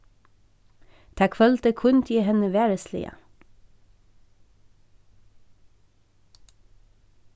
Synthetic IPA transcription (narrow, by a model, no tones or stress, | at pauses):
t̪ʰækʰʋœlt̪əkʰʊnt̪ʰiːhɛnəʋæːɹəslɪ̰ə̰